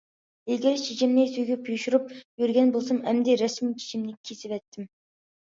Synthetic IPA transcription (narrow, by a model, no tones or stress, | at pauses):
ilʲɡʲiɾt͡ʃʰit͡ʃʰimnɪsyjɡʲypʰjuʃuɾup̚jyɾɡʲɛnbolˠsɑmɛmd̪ɪɾɛsmit͡ʃʰi̥t͡ʃʰimnɪkʲʰesɪvɛt̪ʰːɪm